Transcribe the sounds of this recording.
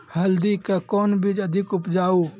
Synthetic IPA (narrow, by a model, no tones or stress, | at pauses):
hɐld̪ikekɔːnbid͡ʒɐd̪ʱɪkʊpd͡ʒaːuː